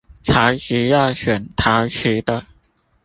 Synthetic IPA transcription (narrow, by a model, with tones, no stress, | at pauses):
t͡sʰa˨˥ɕy˧˥jɑ˥˩ɕɥɛ˨˩nt̪ʰa˧˥ɕy˨˥˦d̪ə˧